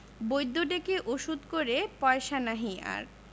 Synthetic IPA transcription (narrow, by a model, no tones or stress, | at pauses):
bojd̪ːoɖekeʔoʃud̪koɾepɔeʃanaɦia̰ɾ